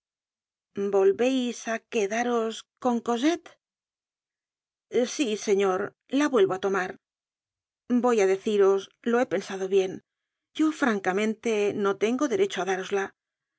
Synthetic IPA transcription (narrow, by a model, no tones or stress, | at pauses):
bo̞lβe̞jsake̞ðaɾo̞sko̞ŋko̞s̬e̞t̪ | sise̞ɲo̞ɾ | laβwe̞lβo̞at̪o̞maɾ | bo̞jaðe̞θiɾo̞s | lo̞e̞pe̞nsað̞o̞βje̞n | ɟ͡ʝo̞fɾaŋkamẽ̞nt̪e̞no̞t̪e̞ŋɡo̞ðe̞ɾe̞t͡ʃoaðaɾo̞zla